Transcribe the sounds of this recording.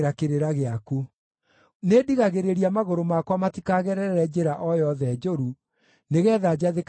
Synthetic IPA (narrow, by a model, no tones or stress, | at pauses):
ɾakeɾeɾaɣeaku | nediɣaɣeɾeɾiamaɣoɾomakwamatikaɣɛɾɛɛɾɛd͡ʑeɾaʔɔjɔðɛd͡ʑoɾu | neɣɛːðad͡ʑaðek